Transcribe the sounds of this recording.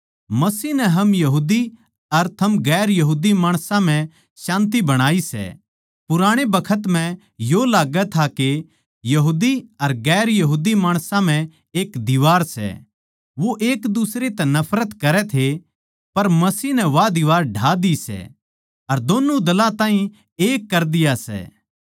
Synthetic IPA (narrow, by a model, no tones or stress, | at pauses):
mɐsiːnɛɦɐmjɐɦuːd̪i | ɐɾt̪ʰɐmɡɛːɾjɐɦuːd̪imaːɽ̃sãm̤ɛ̃ | ʃãːnt̪̬ibɐɽ̃aːisɛ̰ | pʊɾaːɽ̃ebɐkʰət̪m̤ɛ̃ | jolaːɡɛt̪ʰake | jɐɦuːd̪iɐɾɡɛːɾjɐɦuːd̪imaːɽ̃sãm̤ɛ̃ | eːkd̪ɪʋaːɾsɛ̰ | ʋoʔeːkd̪usɾet̪ɛnɐpʰɾət̪kɐɾɛt̪ʰe | pɐɾmɐsiːɦnɛ̃ʋad̪ɪʋaːɾɖʱaːd̪isɛ̰ | ɐɾd̪oːnud̪ɐlãt̪ãːɦĩ | eːkːɐɾd̪ɪjasɛ̰ː